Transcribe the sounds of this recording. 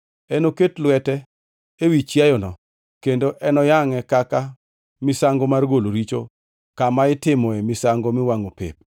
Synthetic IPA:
ɛnoketlwɛtɛ | ewit͡ʃjajɔnɔ | kendoʔɛnɔjaŋɛkaka | mɪsaŋɡomarɡoloɾit͡ʃo | kamaɪtɪmɔɛmɪsaŋɡomɪwaŋopɪ̰p̚

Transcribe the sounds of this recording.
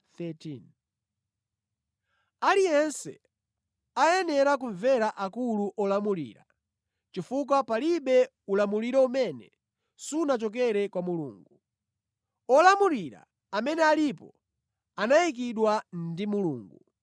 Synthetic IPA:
θɛtʰin | alijɛnsɛ̰ | ajɛnɛɾak̬uɱvɛɾaʔakuluʔɔlamulḭɾa | t͡ʃifuk̬apaliɓɛ | ulamuliɾɛumɛnɛ̰ | sunat͡ʃɔk̬ɛɾɛkwamulṵːŋɡu | ɔlamuliɾa̰ | amɛnɛalipɔ | anaik̬iɗwandimuluːŋɡu

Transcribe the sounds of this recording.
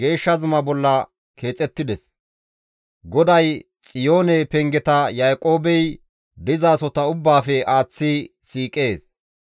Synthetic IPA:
ɡ̥e̞ːʃːɐzʊmɐbɔlːɐ | kʰe̞ːt͡sʼːɛt̪ːɪd̪ɛs | ɡɔd̪ɐj | t͡sʼɪjoːnɛpɛŋɡɛt̪ɐjaːkʼo̞ːbɛj | d̪ɪzaːsɔt̪ɐʊbːaːfɛaːt͡sːi | siːkʼe̞ːs

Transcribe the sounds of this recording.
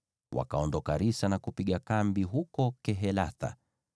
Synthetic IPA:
wa̰kaɔndɔkaɾisanakupiɠakambiɦukɔkɛɦɛlaθa̰

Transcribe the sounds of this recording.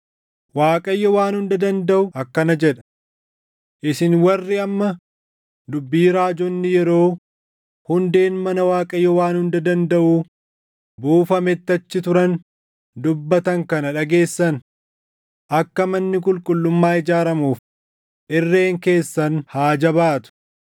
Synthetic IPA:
waːkʼɐjːɔwaːnhʊnd̪ɐd̪ɐnd̪ɐʔʊɐkːɐnɐd͡ʒɛᶑɐ̥ | ʔɪsɪnwɐrːɪɐmːɐ | d̪ʊbːiːɾaːd͡ʒɔnːɪjɛɾo̞ː | hʊnd̪e̞ːnmɐnɐwaːkʼɐjːɔwaːnhʊnd̪ɐd̪ɐnd̪ɐʔuː | buːfɐmɛt̪ːɐt͡ʃːɪt̪ʊɾɐn | d̪ʊbːɐt̪ɐŋkɐnɐᶑɐɡe̞ːsːɐn | ʔɐkːɐmɐnːɪkʼʊlkʼʊlːʊmːaːɪd͡ʒaːɾɐmuːf | ʔɪrːe̞ːŋke̞ːsːɐnhaːd͡ʒɐbaːt̪ʊ̥

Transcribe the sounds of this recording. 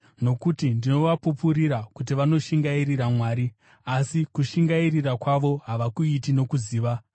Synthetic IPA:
no̞kutindino̞ʋapupuɾiɾakut̬iʋano̞ʃiŋɡairiramwaːɾi | asikuʃiŋɡairirakwaʋo̞ɦaʋakuitino̞kuziːʋa

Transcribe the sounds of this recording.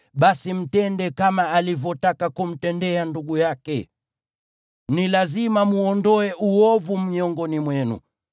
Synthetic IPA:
ɓasim̩tɛndɛkamaalivɔtakakum̩tɛndɛanduɡujakɛ | nilazimamuɔndɔɛʔuɔvum̩iɔŋɡɔnimwɛnṵ

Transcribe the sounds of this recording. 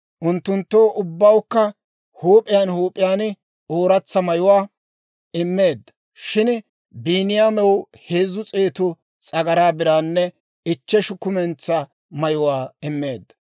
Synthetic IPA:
ʔʊnt̪ːʊnt̪ːo̞ːʔʊbːɐwkːɐ | huːpʼɪjaːnhuːpʼːɪjaːn | oːɾɐt͡sːɐmɐjʊwaː | ɪmːe̞ːd̪ːɐ | ʃɪn | biːnɪjaːmɛw | heːzːʊt͡sʼeːt̪ʊ | t͡sʼɐɡɐɾaːbɪɾaːnːɛ | ɪt͡ʃːɛʃʊkːʊmɛnt͡sːɐ | mɐjʊwaːɪmːeːd̪ːɐ

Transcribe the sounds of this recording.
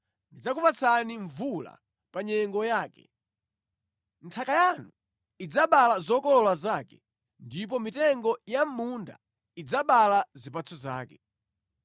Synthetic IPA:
ndid͡zakupat͡sʰaniɱvula̰ | paɲɛŋɡɔjaːkɛ̰ | n̩tʰakajanu | id͡zaɓalazɔkɔlɔlwazakɛ | ndip̬ɔmitɛŋɡɔjam̩munda̰ | id͡zaɓalazipat͡sʰɔza̰ːkɛ

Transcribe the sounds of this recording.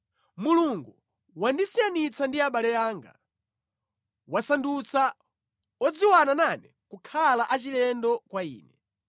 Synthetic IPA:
muluŋɡu | wandisijanit͡sandiaɓalɛjaːŋɡa̰ | wasandut͡sa | ɔd͡ziwanananɛ | kukʰalaʔat͡ʃilɛndɔkwaḭːnɛ

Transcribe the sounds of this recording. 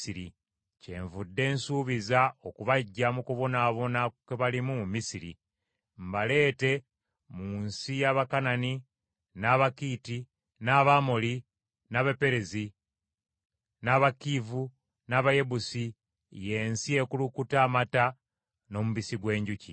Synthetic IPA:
iɾḭ | ce̞̰ːɱvudːe̞ːnsuːβizao̞kuβaɟːamukuβo̞naːβo̞nakweβalimumumisiɾḭ | mbale̞ːte̞ | muːnsijaβakanani | naβakiːti | naβamoli | naβepe̞ɾezi | naβakivu | naːβaje̞βusi | je̞ːnsie̞kulukutaːmata | no̞muβisiɡwe̞ːɲɟucḭ

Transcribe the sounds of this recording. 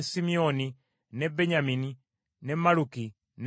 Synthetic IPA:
simiɔni | nɛbɛɲamini | nɛmaluki | n

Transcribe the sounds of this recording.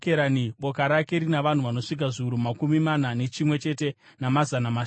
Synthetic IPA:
keɾaniɓo̞kaɾake̞ɾinaʋan̤uʋano̞ʂik̬aʐiʋuɾumakumimanane̞t͡ʃimwe̞t͡ʃe̞te̞ | namazanama

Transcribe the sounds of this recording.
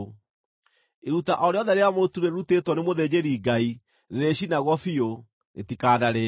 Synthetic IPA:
eɾutaʔɔɾeɔðɛɾeamotuɾeɾutetwɔnemoðed͡ʑeɾiɡai | ɾeɾeɕinaɣwɔfio | ḛtikanaɾe

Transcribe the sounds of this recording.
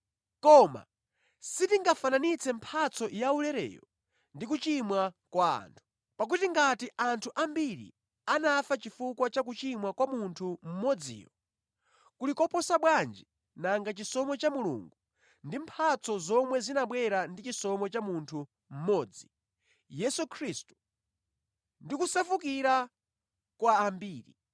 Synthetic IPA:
kɔma̰ | sitiŋɡafananit͡sʰɛmpʰat͡sʰɔjaulɛɾɛ̰ːjɔ̰ | ndikut͡ʃimwakwa̰ːntʰu̥ | pak̬utiŋɡatiʔantʰuʔambiɾḭ | anafat͡ʃifukwat͡ʃak̬ut͡ʃimwakwamuntʰum̩mɔd͡zḭːjɔ | kulikɔpɔsaɓwand͡ʒi | naŋɡat͡ʃisɔmɔt͡ʃamulṵːŋɡu | ndimpʰat͡sʰɔzɔmwɛzinaɓwɛɾandit͡ʃisɔmɔt͡ʃamuntʰu | m̩mɔːd͡zi | jɛsukʰɾistu̥ | ndikusafukiɾa | kwaːmbiːɾḭ

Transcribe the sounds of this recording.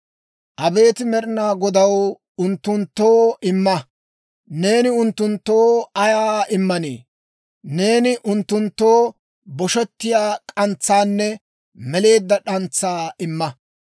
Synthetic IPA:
ʔɐbe̞ːt̪ɪmɛɾɪnaːɡɔd̪ɐw | ʊnt̪ːʊnt̪ːoːɪmːɐ | ne̞ːnɪʊnt̪ːʊnt̪ːoːɐjaːɪmːɐnḛː | ne̞ːnɪʔʊnt̪ːʊnt̪ːoː | bɔʃɛt̪ːɪjaːkʼɐnt͡sːaːnːɛ | mɛle̞ːd̪ːɐɗɐnt͡sːaːɪmːɐ

